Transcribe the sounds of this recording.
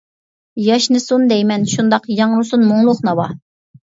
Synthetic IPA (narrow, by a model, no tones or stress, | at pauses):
jɑʃnɨsund̪ɛjmɛnʃund̪ɑqjɑŋɾusunmuŋlˠʊχnɑwɑ